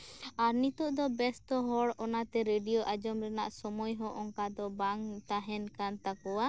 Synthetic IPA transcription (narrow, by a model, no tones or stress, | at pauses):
aɾnit̪ɔʔd̪ɔbɛstɔɦɔɽɔnat̪ɛɾeɖijoʔad͡ʒɔmɾɛna̰ʔsɔmɔjɦɔʔɔŋkad̪ɔbaŋt̪aɦɛnkant̪akɔwa